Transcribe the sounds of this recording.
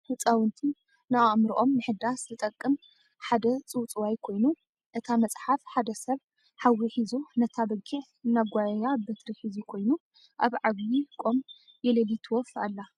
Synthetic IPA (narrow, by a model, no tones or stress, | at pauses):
hɨt͡sʼawɨnt̪ʰi | namɾʔo̞mnɨħɨd̪aszɨt̪ʼɐkʼːɨm | ħad̪ɐt͡sʼɨwt͡sʼɨwajkʰo̞jnu | ʔɨt̪ʰamɐt͡sʼħafħad̪ɐsɐβ | ħawːiħizunɐt̪ʰabɐɡiʕ | naɡʷajɐjabɐt̪ɾiħizukʰo̞jnu | ʔaβʕaβjikʼom | jɛlɐlit̪ʰɨwɔfalːa